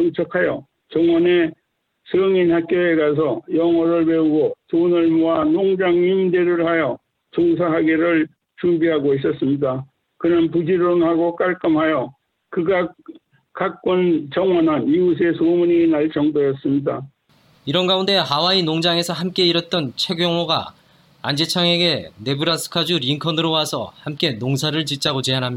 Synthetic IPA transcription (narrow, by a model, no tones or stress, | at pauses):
ʌŋt͡ɕʰʌkʰajʌ | t͡ɕʌŋwʌne | sʰɯŋinhak͈jʌeɡas̬ʰʌjʌŋwʌɾɯɭpe̞uɡotonɯɭmoanoŋd͡ʑaŋimdeɾɯɭhajʌ | t͡ɕoŋs̬ʰaɦaɡeɾɯɭ | t͡ɕumbiɦaɡois̬͈ʌs͈ɯmɲida | kɯnɯnpud͡ʑiɾonhaɡok͈aɭk͈ɯmɦajʌ | kɯɡa | kak̚k͈ʌnt͡ɕʌŋwʌnɯnius̬e̞somuɲinaɭt͡ɕʌŋdojʌs͈ɯmɲida | iɾʌnɡaunde̞hawainoŋd͡ʑaŋe̞sʰʌɦamk͈e̞iɾʌt̚t͈ʌnt͡ɕʰe̞ɡjʌŋwoɡa̰ | a̰nd͡ʑet͡ɕʰaŋe̞ɡe̞ne̞buɾasʰɯ̥kʰad͡ʑuɾiŋkʰʌnɯɾowasʰʌ̰hamk͈e̞noŋsʰaɾɯɭt͡ɕit͡ɕ͈aɡot͡ɕe̞anɦamɲia